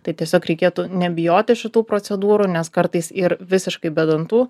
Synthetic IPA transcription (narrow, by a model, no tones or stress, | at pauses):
t̪ɐɪt̪ʲiɛsʲoːkɾʲɛɪkʲeːt̪unʲɛbʲɪjoːt̪ʲɪʃʲɪt̪uːpɾoːt͡s̪ʲɛd̪uːɾuːnʲɛskɐɾt̪ɐɪsɪɾʋʲɪsʲɪʃkɐɪbʲɛd̪ɐnt̪uː